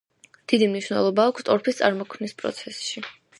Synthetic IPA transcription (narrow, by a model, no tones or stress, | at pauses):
d̪̥id̪imniʃwnɛ̰lˠɔbaːkʰst̪ʼɔɾpʰist̪sʼa̰ɾmɔkʰmnispʼɾɔ̰t̪sʰɛsʃi